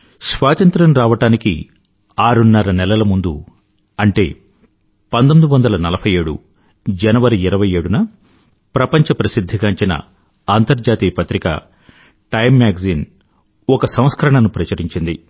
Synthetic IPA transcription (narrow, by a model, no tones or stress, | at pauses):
sʋaːt̪ɐnt̪ɾɐmɾaːʋɐʈaːnikḭ | aːɾunːɐɾɐnɛlɐlɐmund̪u | ɐɳʈe̞ː | pɐnt̪omid̪uʋɐnd̪ɐlɐnɐlɐpʰɐje̞ːɽṵ | d͡ʒɐnɐʋɐɾiːɾɐʋɐje̞ːɽunɐ | pɾɐpɐɲt͡ʃɐpɾɐsid̪ʱːiɡaːɲt͡ʃinɐ̰ | aːnt̪ɐɾd͡ʒaːt̪iːpɐt̪ɾika̰ː | ʈɐjmːjaːɡziːn | ɔkɐsɐ̃m̃skʰɐɾɐɳɐnupɾɐt͡ʃɐɾiɲt͡ʃind̪ḭ